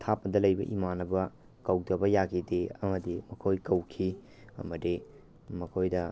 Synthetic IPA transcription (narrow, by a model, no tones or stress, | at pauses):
tʰapːɐdɐlɐjbɐ̰ʔḭmanɐbɐ | kɐwdɐbɐjakʰideɐmɐdimɐkʰojkɐwkʰi | ɐ̰mɐdi | mɐkʰojdɐ